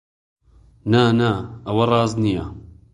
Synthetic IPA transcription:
nanaɐwɐrˤɑːznijɐ

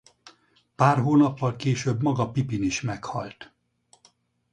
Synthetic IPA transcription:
paːrɦoːnɒpːɒlkeːʃøbmɒɡɒpipiniʃmɛkhɒ̰lt̪

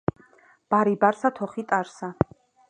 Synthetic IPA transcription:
b̥aɾibaɾsat̪ʰɔχit̪ʼaɾsa

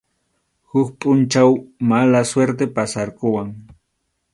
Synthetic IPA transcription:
hʊkpʼʊnt͡ʃawmalasweɾt̪epasaɾkʊwaŋ

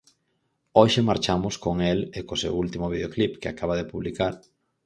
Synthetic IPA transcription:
oʃemaɾt͡ʃamʊskoŋelekosḛwult̪imʊβiðeoklipkeakaβ̞aðepuβlikaɾ

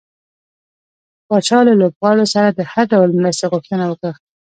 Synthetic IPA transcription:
pɑt͡ʃɑlalobɣɑɽosaɾad̪əhaɾɖawlmɾast̪eɣʊxt̪ənawəkɽa

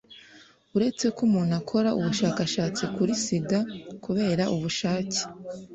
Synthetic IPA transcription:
uɾe̞t͡se̞kumuːnhakʰo̞ɾaʔuβuʃaːkaʃaːt͡sikuɾisiɡakuβe̞ːɾaʔuβuʃaːce̥

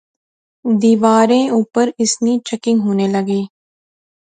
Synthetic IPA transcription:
d̪iːʋaːɾẽːʊpːəɾɪsniːt͡ʃəkɪ̃ŋɡɦoːneːləɡeː

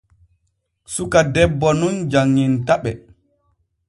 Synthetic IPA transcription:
sukadɛbːɔnund͡ʒaŋːintaɓɛ

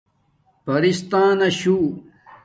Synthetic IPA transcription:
pɐɾist̪aːnɐɕuː

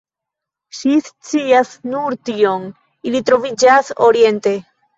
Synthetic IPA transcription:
ʃist͡siasnuɾtio̞n | ilitɾo̞vid͡ʒasoɾie̞nte̞

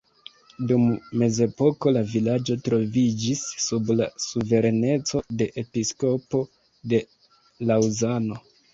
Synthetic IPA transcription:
dumːe̞ze̞po̞ko̞lavilad͡ʒo̞tɾo̞vid͡ʒisːubla̰suve̞ɾe̞ne̞t͡so̞de̞ʔepisko̞po̞ | de̞ | lawzano̞

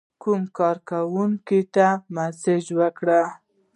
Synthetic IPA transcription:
kumkɑɾkawuŋkit̪amasɪd͡ʒwəkɽa

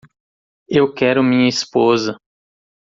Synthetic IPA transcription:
ewkɛɾʊmĩɲɐispozɐ

